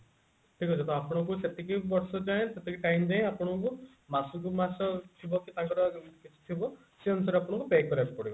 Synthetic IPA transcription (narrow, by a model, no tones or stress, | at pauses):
ʈʰikɔt͡ʃʰɔt̪ɔapɔɽ̃ɔ̃kuset̪ekʰibɔɾsɔd͡ʒaj̃t̪et̪ekʰiʈajmd͡ʒaɦẽapɔɽ̃ɔku | masɔk̬umasɔt̪ʰibɔkit̪ãŋkɔɾɔkit͡ʃʰi̥t̪ʰibɔ | seɔnusaɾapɔɽ̃ɔ̃kubekɔɾap̚pɔɽibɔ